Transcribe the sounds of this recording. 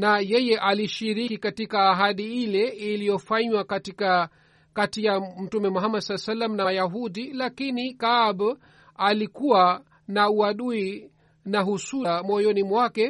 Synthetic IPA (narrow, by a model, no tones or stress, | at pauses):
najɛjɛʔaliʃiɾikikatikaːɦaɗiilɛilijɔfaɲwakatika | katijam̩tumɛmuɦamadsalɛsalːam̩najaɦuɗilakinikaːb | alikuwa | nauaɗui | naɦusuamɔjɔnimwakɛ